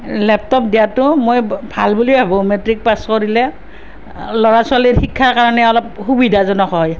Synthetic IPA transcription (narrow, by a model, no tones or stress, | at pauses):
lɛp̚tɔpdijatʊmojbʱalbuliabɔ̃metɹik̚paskoɹilɛ | lɔɹasaliɹxikʰːaɹkaɹɔnɛɔlɔp̚xubidʱazɔnɔxɔj